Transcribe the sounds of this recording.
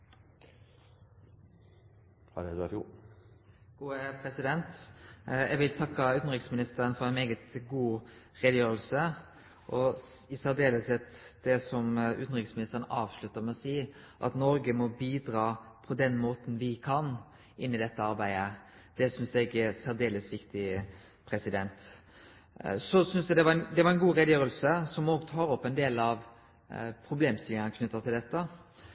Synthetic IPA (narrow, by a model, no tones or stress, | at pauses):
hɑdɛd̪ʉɑfjuː | ɡ̥uːəpʰɾɛsɪd̪ɛnt̪ | ɛɡʋɪlt̪ʰɑkːəʉt̪nʁɪksmɪnɪst̪əʁənfɔɾɛɪnmeːɡət̪ɡuː | ʁeːd̪əjøːʁəlsə | ʔɔɪsæʁd̪eːləsɛt̪d̪̥ɛsɔmʉ̰t̪nəʁɪksmɪnɪst̪əʁənəʔɑːʋʂlʉt̪ːəʁmɛɔsiː | ʔɑ̰t̪nɔɾɡəmɔbiːd̪ɾɑːpʰɔd̪ɛnmoːt̪n̩ʋɪkʰɑn | ʔɪnːɪd̪ɛt̪ːəɑɾbæɪd̪ə | d̪̥ɛsʏnsɛɡɛsæʁd̪eːləsʋɪkt̪ɪ | pʰɾɛsɪd̪ɛnt̪ | sɔsʏnsd̪ɛd̪ɛʋɑɛnd̪ɛʋɑɾɛnɡuːɾɛd̪jøːɾəlsəsɔmoːɡt̪ʰɑːɾɔpːɛnd̪eːlɑʋ | pʰɾʊbleːmst̪ɪlənəkʰnʉt̪ːəʁt̪ʰɪld̪ɛt̪ːə